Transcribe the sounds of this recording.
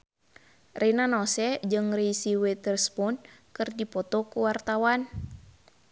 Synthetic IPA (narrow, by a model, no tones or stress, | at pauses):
rʔɛnanɔsɛd͡ʒɨŋɾeisiwɛt̪ərspɔnkɨrdipɔt̪ɔkuwart̪awan